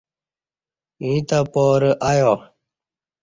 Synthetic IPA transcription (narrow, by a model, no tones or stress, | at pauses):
ĩt̪apoːɾʔajoː